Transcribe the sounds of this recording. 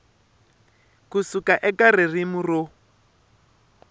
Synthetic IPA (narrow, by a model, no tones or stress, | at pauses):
kusukaʔɛkaririmuro